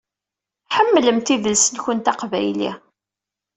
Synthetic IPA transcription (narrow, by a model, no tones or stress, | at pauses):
ħəmːləmt̪ivəlsənçənt̪ɑqvæjlḭ